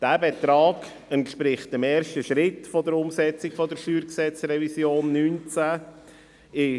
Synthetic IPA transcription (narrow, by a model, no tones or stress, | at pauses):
d̥æːbet̪ɾɑːɡ̥ | ɛntʃpɾɪχt̚əmeːɾʃtəʃɾɪtfɔdəɾʊmsɛt͡sɪkfɔdəɾʃyːɾksɛt͡srɛvisjoːnːyːnt͡sæ | ɪ